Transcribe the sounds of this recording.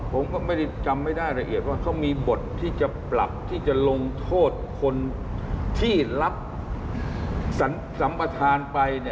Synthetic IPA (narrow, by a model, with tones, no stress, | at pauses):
pʰo˩˦mkɔː˥˩ma˥˩jda˥˩jt͡ɕa˧mːa˥˩jda˥˩jɾa˧ʔi˨˩ət̪̚waː˥˩t̪ʰɔ˥˩miː˧bo˨˩t̪ʰːiː˥˩t͡ɕa˨˩pla̰˨˩p̚t̪ʰiː˥˩t͡ɕa˨˩lo˧ŋt̪ʰoː˥˩t̪̚kʰo˧n | t̪ʰiː˥˩la˦˥p̚ | sa˩˦n | sa˩˦mpa˧t̪ʰaː˧npa˧jni˥˩